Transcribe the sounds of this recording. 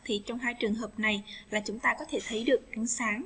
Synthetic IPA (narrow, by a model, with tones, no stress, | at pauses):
t̪ʰḭ˨t͡ɕɔ˧wŋ͡mɦaː˧jt͡ɕɨ˨˩əŋɦəː˨˩p̚na˨˩jlaː˨˩t͡ɕʊ˨˦ŋ͡mt̪aː˧kɔ˨˦t̪ʰe˧˩t̪ʰə˨˦jɗɨ˨˩ək̚ʔa˨˧˦nsaː˨˦ŋ